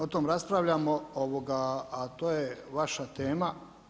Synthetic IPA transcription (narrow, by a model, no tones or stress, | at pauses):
ot̪omɾaspɾaʋʎamooʋoɡaːt̪oːjeʋaʃat̪eːma